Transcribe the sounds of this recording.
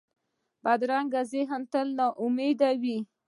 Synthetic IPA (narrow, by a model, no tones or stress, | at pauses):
bad̪ɾaŋɡazɪɦənt̪əlnɑʔʊmed̪awi